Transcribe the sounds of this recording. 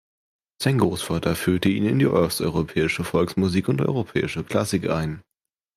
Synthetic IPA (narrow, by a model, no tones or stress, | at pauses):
z̥aɪnɡʁoːsfaːtʰɐfyːɐtəiːnɪndiːʔœɐstʔɔʏʁ̞opʰɛːɪʃəfɔlksmuziːkʊntʔɔ̰ʏʁopʰɛ̰ːɪʃəkʰl̥asɪkʔa̰ɪn